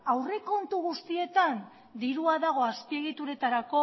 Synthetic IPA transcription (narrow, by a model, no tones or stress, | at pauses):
awre̞ko̞nt̪uɣ̞ust̪ie̞t̪an | d̪iɾuaðaɣ̞o̞aspie̞ɣ̞it̪uɾe̞t̪aɾako̞